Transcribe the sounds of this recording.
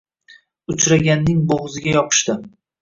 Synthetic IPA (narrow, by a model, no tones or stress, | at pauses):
ʊt͡ʃɾaɡʲanːɪŋboʁɨzɪɡʲajɒqʰɨ̥ʃt̪ɪ